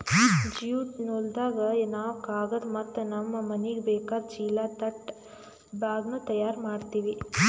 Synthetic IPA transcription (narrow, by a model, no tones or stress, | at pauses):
d͡ʒijuʈnold̪aːɡɐnaːʋkaːɡɐd̪mɐt̪ːɐnɐmːɐmɐniɡebɛːkaːd̪t͡ʃiːlaːt̪ɐʈ | baːɡnut̪ɐjaːɾmaːɖt̪iːʋi